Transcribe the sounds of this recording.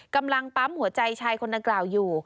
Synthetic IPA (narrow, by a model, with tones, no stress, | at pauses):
ka˧mla˧ŋpa˦˥mhu˨˩˦ɐt͡ɕa˧jt͡ɕʰaː˧jkʰo˧nda˧ŋklaː˨˩wjuː˨˩